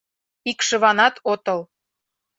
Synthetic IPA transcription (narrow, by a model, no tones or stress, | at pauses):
ikʃə̆βɑnɑt̪ot̪ɤl